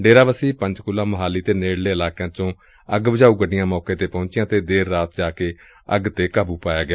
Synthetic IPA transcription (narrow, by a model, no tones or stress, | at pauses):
ɖeːɾaːʋəsiːpə̃ɲd͡ʒkʊlːãːməɦaːliːt̪eːneːɽleːɪlaːkejãːt͡ʃõː | əɡbəd͡ʒaːuːɡəɖɪjãːmɔːkeːt̪eːpɔ̃ʊ̃ːt͡ʃɪjãːt̪eːd̪eːɾːaːt̪̚d͡ʒaːkeː | əɡt̪eːkaːbuːpaːjaːɡɪa